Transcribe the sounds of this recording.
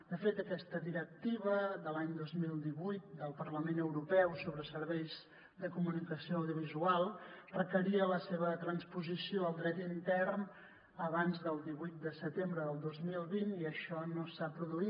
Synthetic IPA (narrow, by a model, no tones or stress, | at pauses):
d̪əfet̪əkɛst̪əðiɾək̚t̪iβəðəlaɲd̪ozmilˠd̪iβujt̪̚d̪əlˠpərləmenəwɾupɛwsoβɾəsəɾβɛjz | d̪əkumunikəsioəwðiuβizualˠrəkəɾiələseβət̪ɾənspuzisioəlˠd̪ɾɛt̪int̪ɛrn | əβanzðəlˠd̪iβujt̪̚d̪əsət̪embɾəðəlˠd̪ozmilˠβiniəʃɔnosapɾuðui